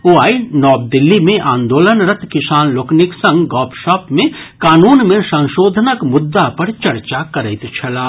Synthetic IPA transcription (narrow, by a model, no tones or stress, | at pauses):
oːaːinɔːb̚d̪ɪlːimẽʔaːnd̪oːlənɾət̪kɪsaːnloːknɪksɐ̃ŋɡɡɔːpʃɔːpmẽkaːnuːnmẽsɐ̃ŋ̃ʃoːd̪ʱənəkmʊd̪ːapɐɾt͡ʃɐɾt͡ʃakɐɾəɪt̪t͡ʃʰɐlaː